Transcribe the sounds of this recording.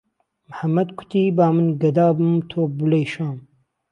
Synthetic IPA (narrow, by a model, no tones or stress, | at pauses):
mħamːɐd̪kʷʰʊ̥t̪iːbaːmɨnɡɐd̪aːbɨmt̪ʰoːbɨleːjʃaːm